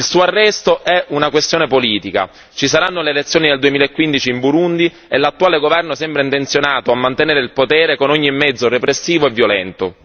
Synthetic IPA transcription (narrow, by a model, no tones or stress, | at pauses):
ilsuːoarːɛst̪oʔɛʔunakwest̪joːnepoliːt̪ika̰ | t͡ʃisaɾanːoleːlet̪sːjoːnid̪eld̪uemiːlaekːwind̪it͡ʃiːmbuɾund̪i | elːat̪ːuaːleɡovɛrnosɛmbɾaeint̪ent̪sjonaːt̪oamːant̪eneːɾeilpot̪ɛːɾekonoɲːimːɛd̪zːorepɾesːiːvoevːjolɛnt̪o̰